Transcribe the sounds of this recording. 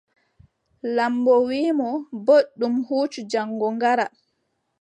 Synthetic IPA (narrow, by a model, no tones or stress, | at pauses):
lambɔwiːmɔboɗːumhuːt͡ʃud͡ʒaŋːɡɔŋɡaɾa